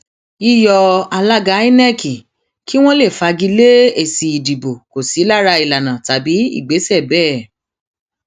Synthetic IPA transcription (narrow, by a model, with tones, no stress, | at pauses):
i˦jɔ˧a˧la˦ɡa˧˦i˦nɛ˦˨ki˨ | ki˦w̃ɔ̃˦le˦˨fa˧ɡi˧˦le˦e˨si˨i˨di˨bo˨ko˨si˨˦la˦˨ɾa˧i˨la˨nã˨ta˨bi˨˦ḭ˦˨ɡ͡be˨˦sɛ˦˨bɛː˦˨